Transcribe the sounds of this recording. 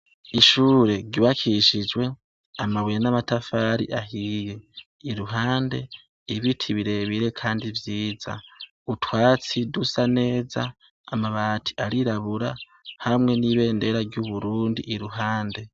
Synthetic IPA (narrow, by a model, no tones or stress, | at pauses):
iʃuːɾe̞ɾɟuβakʰiʃid͡ʒwe̞ | amaβwjanamatafaːɾḭʔaɦiːje̞ | iɾuɦaːnde̞ | iβitʰiβiɾe̞βiɾe̞kʰaːndivjiːza̰ | utʰwaːt͡sidusane̞ːzaː | maβaːtʰi̥ʔaɾiɾaβuɾa | hamŋe̞niβe̞ːnde̞ɾaɾɟuβuɾuːndḭʔiɾuɦaːnde̞